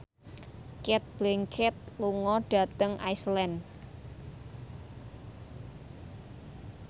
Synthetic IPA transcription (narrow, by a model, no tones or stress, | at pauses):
kɛt̪̚b̥lɛŋkʰɛt̪̚luŋɔɖ̥a̤t̪əŋʔa̰jslɛn